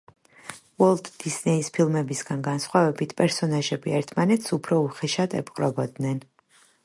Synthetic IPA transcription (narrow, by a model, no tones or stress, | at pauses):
wɔlˠd̪d̪isnɛispʰilˠmɛbisɡanɡansχwavɛbit̪ʰpʼɛɾsɔnaʒɛbiɛɾt̪ʰmanɛt̪ʰsupʰɾɔuχɛʃad̪ʰɛ̰pqʼɾɔbɔd̪nɛn